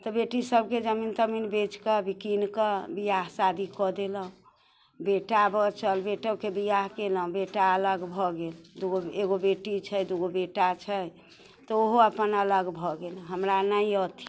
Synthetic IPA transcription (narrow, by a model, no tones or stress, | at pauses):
t̪ɔbeʈisəb̚ʱked͡ʒəmint̪əminbet͡ʃkəbikinkəbijaɦsad̪ʱikɔd̪eləɦũ | beʈabʱɔt͡ʃəlbeʈəkebijaɦkeləũbeʈaələɡbʱɔɡeld̪uɡoeɡobeʈit͡ʃʰəjd̪uɡobeʈat͡ʃʰəj | t̪ɔoɦoəpənələɡbʱɔɡelɦəmɾanəiɔt̪i̥